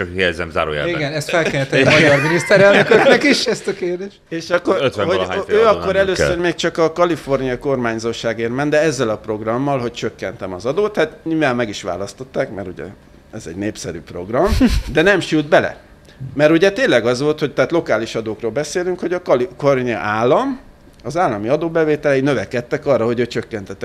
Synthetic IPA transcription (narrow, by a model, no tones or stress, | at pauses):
ɒkhijɛzɛ̰mza̰ːɾo̰ːjɛ̰iɡɛnɛst̪fɛlkɛɾɛt̪ːmɒjɒrminist̪ɛɾɛløkøknɛkiʃɛst̪keːrd̪eːʃt̪eːʃɒkːoɾøt̪ʋɛoaːøːɒkːo̞ɾɛløːsørmeːkt͡ʃɒkɒkɒlifo̞rnijɒko̞rmaːɲzoːʃaːɡeːrmɛnd̪ɛɛzːɛlɒpro̞ɡrɒmːɒlɦo̞c̚t͡ʃøkːɛnt̪ɛmɒzɒd̪oːt̪hat̪ɲuːvaːmmɛɡiʃʋa̰ːlɒst̪o̞t̪ːaːkmɛɾuɟɛ̰ | ɛzɛ̰ɟneːpsɛɾy̰ːpro̞ɡrɒmd̪ɛnɛmʃyld̪̚bɛlɛ̰ | mɛɾuɟɛt̪eːnlɛɡɒzʋo̞lt̪hoc̚t̪ɛaːt̪lo̞kaːliʃɒd̪oːkroːlbɛseːlyŋkho̞ɟɒkliforniɒ̰ʔaːlːɒm | ɒzaːlːɒmiɒd̪oːbɛveːt̪ɛlɛinøvɛkɛt̪ːɛkɒrːɒɦo̞ɟøːt͡ʃøkːɛnt̪ɛt̪ːɛ